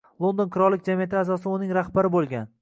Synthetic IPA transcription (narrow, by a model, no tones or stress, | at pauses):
lˠond̪onkʰʊɾɒlːɪk̚ʲd͡ʒamijat̪ʰɪazɒs̬ɪʊnɪŋɾahbaɾɪbolˠɡʲan